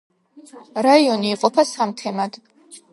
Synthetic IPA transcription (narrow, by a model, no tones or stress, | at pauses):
rajoniːqʼʊpʰasamtʰemadʼ